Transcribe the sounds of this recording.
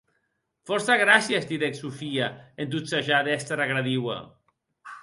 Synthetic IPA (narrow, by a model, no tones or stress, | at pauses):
fɔɾsaɣɾasjazd̪iðeksufiaend̪ut̪saʒaðɛst̪ɾaɣɾaðiwa̰